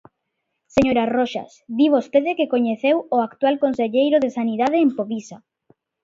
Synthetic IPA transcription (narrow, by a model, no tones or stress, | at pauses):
seɲoɾaroʃa̰sðiβost̪eðekekoɲeθewoakt̪walkonseʎejɾoðesaniðað̞eːmpoβisa